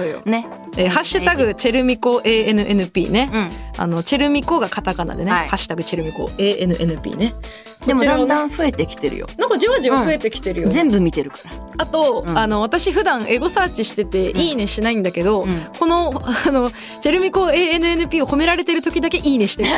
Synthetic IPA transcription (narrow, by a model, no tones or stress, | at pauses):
soːjo̰ne | eːhaɕːɨt̪aɡɯ̟t͡ɕe̞ɾɯ̟mʲiko̞ʔe̞ːenɯ̟ʔe̞nɯ̟pʲḭːne̞a̰no̞t͡ɕe̞ɾɯ̟mʲiko̞ɡakat̪akana̰d̪e̞nehaɕːɨ̥t̪aɡɯ̟t͡ɕe̞ɾɯ̟mʲiko̞̰e̞ːʔenɯ̟ʔe̞nɯ̟pʲḭːne̞ | doemid̪ãd̪ãɸɯ̟e̞t̪e̞kʲi̥t̪e̞ɾɯ̟̰jo̰nãŋkad͡ʑoβaʑiaɯet̪e̞kʲi̥t̪e̞ɾɯ̟jozẽ̞mbɯ̟mʲit̪e̞ɾɯ̟kḁɾa | at̪o̞ano̞β̞at̪aɕiɸɯ̟d̪ãɰ̃ʔe̞ɡo̞saːt͡ɕiɕi̥t̪e̞t̪e̞ʔiːne̞ɕinaĩnd̪ake̞d̪o̞ko̞no̞no | t͡ɕe̞ɾɯ̟mʲikoːe̞ːenɯ̟e̞nɯ̟pʲiːo̞ho̞me̞ɾaɾe̞t̪e̞ɾɯ̟t̪okʲid̪ake̞ʔiːneɕi̥t̪e